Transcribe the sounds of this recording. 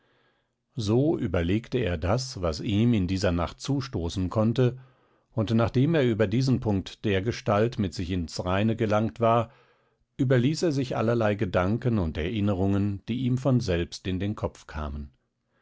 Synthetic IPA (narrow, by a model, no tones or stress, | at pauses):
zoːʔyːbɐleːktəeːɐdasvasiːmɪndiːzɐnaχt̚t͡suːʃtoːsn̩kʰɔntə | ʊntnaːχd̥eːmeːɐyːbɐdiːzn̩pʰʊŋk̚td̥eːɐɡəʃtaltmɪtz̥ɪçɪnsʁaɪnəɡəlaŋk̚tv̥aːɐ | ʔyːbɐliːseːɐzɪçʔa̰lɐlaɪɡədaŋkənʊntɛɐʔɪnəʁʊŋənd̥iːiːmfɔnzɛlpstɪndeːnkʰɔp͡fkʰa̰ːmən